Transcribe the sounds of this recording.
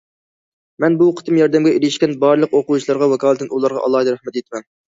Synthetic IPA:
mɛnbuqʰə̥t̪ʰɨmjɑɾd̪ɛmɡʲɛiɾɪʃkʲɛnbɑɾlˠəqoquwt͡ʃʰilˠɑɾʁɑwɛkʰɑːlˠɨt̪ɪnulˠɑɾʁɑ̰ʔɑ̰lˠːɑːd̪ɨɾæχmɛt̪et̪ʰɪmɛn

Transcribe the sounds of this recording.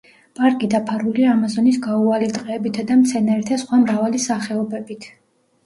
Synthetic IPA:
pʼaɾkʼid̪apʰaɾuliaamazɔnisɡaualit̪ʼqʼɛːbit̪ʰad̪amt̪sʰɛnaɾt̪ʰasχwamɾavalisaχɛɔbɛbit̪ʰ

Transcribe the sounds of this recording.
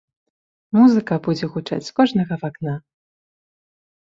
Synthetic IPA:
muzɨkɐbud͡zʲɛɣut͡ʂa̰t͡sʲskɔʐnɐɣɐvakna

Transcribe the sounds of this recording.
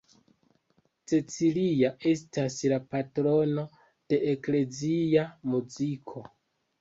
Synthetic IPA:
t͡set͡siliaʔe̞s̬taslapatɾo̞no̞ | d̥e̞ʔekle̞ziamuzikʰo̞

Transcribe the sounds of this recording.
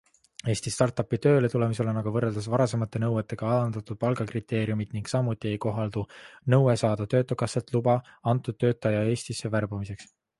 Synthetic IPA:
e̞ːsʲt̪ist̪ɑrt̪ːˑɑpːˑit̪ø̞ːle̞t̪ule̞mis̬e̞lenɑɡ̥ɑvɤrːe̞ld̪̥ɑsvɑɾɑse̞mɑt̪ːˑe̞nɤwe̞t̪ˑːe̞ɡ̥ɑɑlɑnd̪ɑt̪ːˑud̪̥̚pɑlɡɑkrit̪ːˑe̞ːɾijumid̪̥niŋɡksɑmːut̪ːˑie̞jko̞ɦɑld̪̥unɤwe̞sɑːd̪̥ɑt̪ø̞ːt̪ːˑokɑsːelt̪lubɑɑnt̪ːˑud̪̥̚t̪ːø̞ːt̪ːˑɑjɑe̞ːsʲt̪isːe̞værbumise̞ks

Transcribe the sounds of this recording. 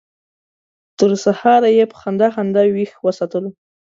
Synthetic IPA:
t̪əɾsahɑɾajepə̥xand̪axand̪awixwəsɑt̪əlo

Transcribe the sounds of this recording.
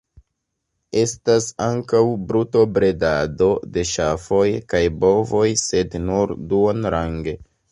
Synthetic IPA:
e̞stasaŋkawbɾutobɾe̞dado̞de̞ʃafo̞jkajbo̞vo̞jse̞dnuɾduonɾaŋɡe̞

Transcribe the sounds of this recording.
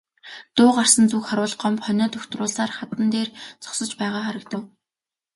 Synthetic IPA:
t̪ʊːɢar̥sə̆nt͡sukχaɾwʊːɮɢɔmpχœnʲɔːt̪ʰɵxt̪rʊːɮsaːrχat̪ə̆nt̪eːrt͡sɔ̥ksɞ̆t͡ɕpæːʁaːχaɾə̆kt̪ə̆w

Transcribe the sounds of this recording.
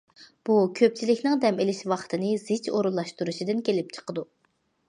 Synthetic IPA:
b̥ukʲʰøp̚t͡ʃʰilɪkʲnɨŋd̪ɛmelɪʃwɑχt̪ʰɨnɨz̥ɪt͡ʃoɾulˠːɑʃt̪uɾuʃid̪ɨnkʲʰelɪp̚t͡ʃʰə̥qəd̪u

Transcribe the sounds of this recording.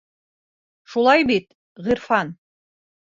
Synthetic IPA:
ʃulˠɑjbit̪ | ʁiɾfɑn

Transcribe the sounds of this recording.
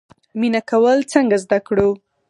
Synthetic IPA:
minakawəlt͡səŋɡazd̪akɽu

